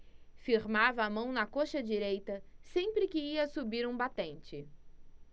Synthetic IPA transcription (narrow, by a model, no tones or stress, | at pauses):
fiɾmavɐːmɐ̃w̃nɐkoʃɐd͡ʒiɾejt̪ɐsẽpɾɪkɪiɐsubiɾũbat̪ẽnt͡ʃɪ